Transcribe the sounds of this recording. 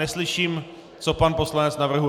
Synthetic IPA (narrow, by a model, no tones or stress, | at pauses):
ɛslɪʃiːm | t͡sopanpo̞slanɛt͡snavr̩ɦu